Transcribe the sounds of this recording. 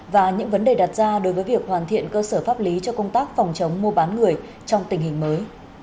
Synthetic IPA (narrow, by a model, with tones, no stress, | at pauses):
vaː˨˩ɲɨ̰˧˥ŋvə˨˦nɗe˨˩ɗa˨˩t̚zaː˧ɗo˨˦jvəː˨˦jvi˨˩ək̚hwaː˨˩nt̪ʰḭ˧˨ənkəː˧səː˧˩faː˦˥p̚li˨˦t͡ɕɔ˧kə˧wŋ͡mt̪aː˦˥k̚fɔ˨˩wŋ͡mt͡ɕə˨˦wŋ͡mmu˧əɓaː˨˦nŋɨ˨˩əj | t͡ɕɔ˧wŋ͡mt̪ï˨˩ŋ̟hï˨˩ŋ̟məː˨˦j